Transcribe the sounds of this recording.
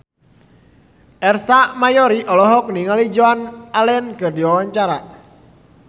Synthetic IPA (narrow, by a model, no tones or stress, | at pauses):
ʔɛrsamajɔɾiʔɔlɔɦɔk̚niŋalid͡ʒoanalɛnkɨrdiwawaɲt͡ʃaɾa